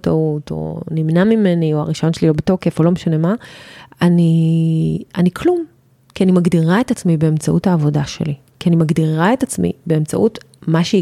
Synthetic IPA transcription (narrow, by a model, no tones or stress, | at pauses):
touto̰nimnamimenioa̰ʁiʃajonʃelilobeto̞ke̞folo̞meʃane̞maani | anikʰlum | kianimaɡdiʁae̞tat͡smibe̞emt͡saʔuthaːvo̞daʃḛli | kianimaɡdiʁae̞tat͡smḭbe̞emt͡sa̰ʔut | maʃei